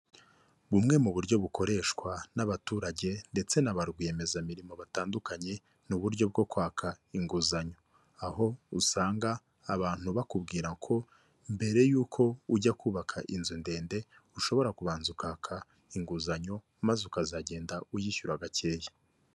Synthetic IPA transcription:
βumŋe̞muβuɾɟo̞βuko̞ɾe̞ʃkwanaβatuːɾaɟe̞nde̞t͡se̞naβaɾɡije̞me̞zamiɾimo̞βataːndukaɲe̞ | nuβuɾɟo̞b̚ɡo̞kwaːkʰaiŋɡuzaɲo̞ | aho̞usaːŋɡaː | βaːn̥huβakubɡiːɾakʰo̞ | mbe̞ɾe̞juːkʰo̞uɟakʰuːβakʰaʔinzunde̞ːnde̞ | uʃo̞βo̞ɾakuβaːnzukaːkʰa | iŋɡuzaɲo̞ | mazeukazaɟe̞ːndaujiçuɾaɡace̞ːje̥

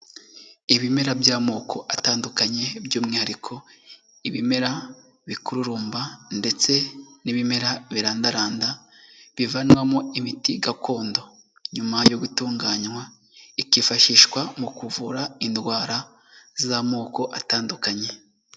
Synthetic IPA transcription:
iβime̞ɾabjaːmo̞ːkʰo̞ʔataːndukaɲe̞bjuːmŋaaɾikʰo̞ | iβime̞ɾa | βikuɾuɾuːmbande̞t͡se̞niβime̞ɾaβiɾaːndaɾaːndaβivanwamoimitiɡako̞ːndo̞ | ɲumajoɡutuːŋɡaːɲwa | ikifaʃiːʃwamukuvuɾaindwaːɾa | zamo̞ːko̞ʔataːndukaɲe̞

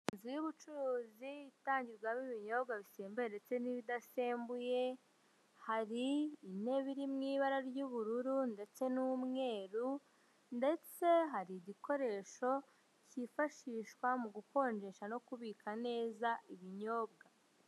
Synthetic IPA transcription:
inzujuβut͡ʃuɾuːziitaːɲɟiɾɡwamiβiɲo̞bɡaβiseːmbujendet͡se̞niβidase̞ːmbuje̞ | haɾiːne̞βiɾimŋiːβaɾaɾɟuβuɾuɾunde̞t͡se̞numŋe̞ːɾu | nde̞t͡se̞ɦaɾiːɟiko̞ɾe̞ːʃo̞ | cifaʃiːʃkwamuɡuko̞ːɲd͡ʒe̞ʃano̞kuβiːkʰane̞ːzaʔiβiɲo̞ːbɡa

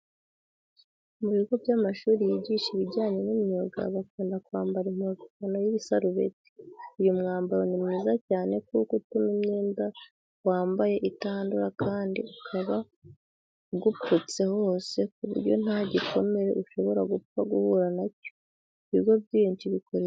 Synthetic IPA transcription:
muβiɡo̞vɟamaʃuːɾijiɟiʃiβiɟaːɲe̞numoɡa̰βakiːndakuaːmbaɾim̥ukukano̞jiβisaɾuβe̞̰ti̥ujumŋaːmbaɾonimɲiːzacaːne̞kukutumimɲeːnda | waːmbaje̞ʔitaːnduɾakaːndḭukʰaβa | ɡuput͡se̞hoːse̞kuβṵɾɟo̞̰n̥aɟikʰo̞me̞ɾe̞̰ʔuʃo̞βo̞ɾaɡup͡faɡuhuɾanaco̥ | iβiɡo̞bɟiβiːnt͡ʃiβikoɾe

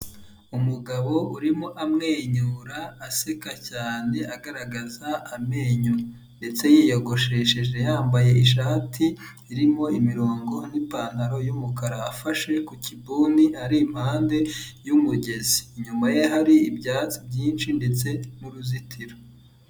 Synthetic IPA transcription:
umuɡaβo̞uɾimoʔamŋe̞ːɲuɾaːsekacaːne̞aɡaɾaɡazaːme̞ːɲuɾ | nde̞t͡se̞jijoɡo̞ʃe̞ʃeʒe̞jaːmbaje̞iʃ̬aːtʰiː | ɾimo̞imiɾoːŋɡo̞n̥ipaːn̥haɾo̞jumukaɾaːfaʃe̞kucibuːniaɾiːm̥haːnde̞jumuɟe̞ziɲumajeɦaɾiːbɟaːt͡sibɟiːnʃinde̞t͡se̞muɾuzitʰiɾo

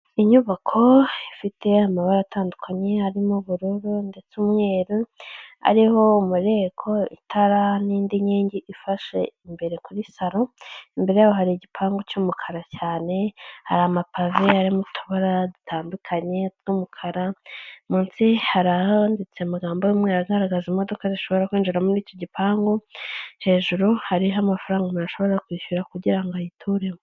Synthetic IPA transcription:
iɲuβakʰo̞ifitʰe̞amaβaɾaːtʰaːndukʰaɲe̞aɾimuβuɾuɾunde̞t͡sumŋe̞ːɾua̰ɾiho̞umuɾe̞kʰo̞ḭtʰaɾaniːndiɲiːɲɟiʔifaʃe̞̰imbe̞ɾe̞kuɾisaɾo̞imbe̞ɾe̞jawoɦaɾiɟipʰaːŋɡo̞cumukʰaɾacaːne̞ha̰ɾamapʰaveaɾimutʰuβaɾadutʰaːndukʰaɲe̞tɡumukʰaɾamunsihaɾandit͡semaɡaːmbowimŋeːɾaɡaɾaɡazimo̞do̞kaziʃo̞βo̞ɾakwiːnd͡ʒiɾamuɾiːco̞ɟipaːŋɡo̞he̞ːʒuɾuhaɾiɦamafaɾaːŋɡamuɾaʃo̞βo̞ɾakwiːʃuɾakuɟiɾaŋɡojitʰuɾemo

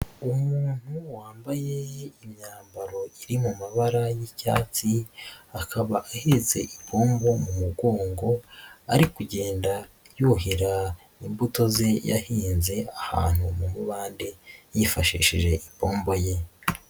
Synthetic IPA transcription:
umuːn̥huwaːmbaje̞imɲaːmbaɾo̞iɾimumaβaɾajica̰ːt͡siakʰaβaʔahize̞̰ʔipʰo̞ːmbo̞mumuɡo̞ːŋɡo̞a̰ɾikuɟe̞ːnda | juɦiɾa | imbuto̞ze̞ja̰hiːnze̞aha̰ːn̥umumuβaːnde̞jifaʃḭːʃḭʒe̞ʔipoːmbo̞je̞

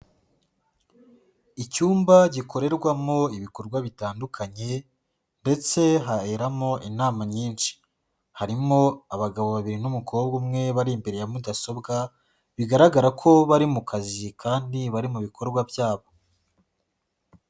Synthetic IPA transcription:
icuːmbaɟikʰo̞ɾe̞ɾɡwamo̞iβiko̞ɾɡwaβitaːndukʰaɲe̞ | nde̞t͡se̞ɦaeɾamo̞ʔinaːmaɲiːnt͡ʃi̥ | haɾimo̞aβaɡaβo̞βaβiɾinumukʰo̞ːb̚ɡumŋe̞βaɾimbe̞ɾe̞jamudaso̞bɡa | βiɡaɾaɡaɾakʰo̞βaɾimukʰazikʰaːndiβaɾimuβikʰo̞ɾɡwabjaːβo

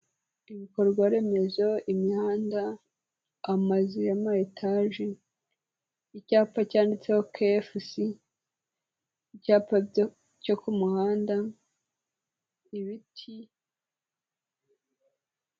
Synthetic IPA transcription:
iβiko̞ɾɡwaɾe̞me̞zoʔimihaːnda | amaziamajetʰaʒi | icaːpacaːndit͡sehokʰefusi | icaːpa | cokumuhaːnda | iβitʰi

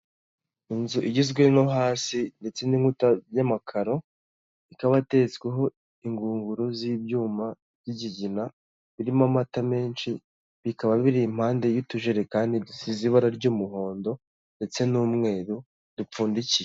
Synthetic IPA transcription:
inzuʔiɟizɡwenoɦaːsinde̞t͡se̞niŋutajamakʰaɾo̞ | ikaβate̞t͡sɡweɦo̞ | iŋɡuːŋɡuɾuzibjuːmḁ | jiɟiɟina | βiɾimamatame̞ːnʃi | βikaβaβiɾim̥haːnde̞jutuʒeɾe̞kaːndidusiziβaɾaɾɟuːmuɦo̞ːndo̞ | nde̞t͡se̞nuːmŋe̞ːɾu | d̥up͡fuːndicije

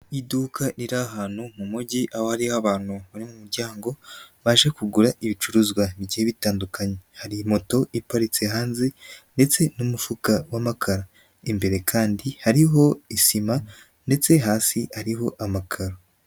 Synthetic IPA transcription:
iduːkʰaɾiɾaɦaːn̥humumuɟiʔaho̞haɾihaβaːn̥huβaɾimumuɾɟaːŋɡo̞βaʒekuɡuɾaʔiβit͡ʃuɾuzɡwaβiɟiheβitaːndukaɲehaɾimo̞to̞ipaɾit͡seɦaːnzende̞t͡se̞numufukawamakʰaɾa | imbe̞ɾe̞kʰaːndihaɾiɦo̞isima | nde̞t͡se̞ɦaːsiaɾiɦo̞ʔamakʰaɾa

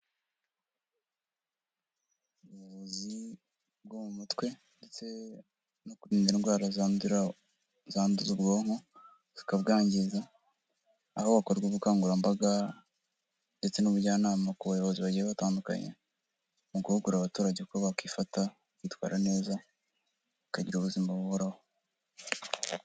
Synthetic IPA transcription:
uujoβozi | b̚ɡomumutwe̞nde̞t͡se̞ | nokuɾiːndiɾinɡwaːɾaz | zaːnduzubɡoːŋ̥o | z̥ikabɡaːɲɟiza | hoβakoɾɡweβukaːŋɡuɾambaɡa | nde̞t͡se̞nuβuɾɟaːnaːmakuβajo̞βo̞ziβaɟiɾaβataːnduka̰ɲḛ | muɡuhuɡuɾaβatuːɾaɟeβkoβakifata | kwiːtwa̰ːɾane̞ːza | βakaɟiɾuβuzimbaβuβoɾaho

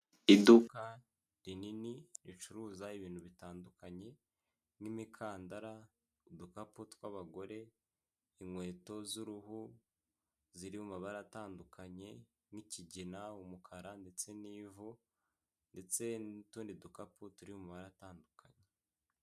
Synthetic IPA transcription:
iduka | ɾininiɾit͡ʃuɾuːzaiβiːnhuβitaːndukaɲe̞ | nimikʰaːndaɾa | udukaputwaβaɡo̞ɾe̞ | iŋwe̞ːto̞zuɾuhu | ziɾiumaβaɾaataːndukʰaɲe̞ | niciɟinaumukʰaɾande̞t͡se̞niːvo | nde̞t͡se̞ntuːndidukaputuɾiumaβaɾataːndukʰaɲe

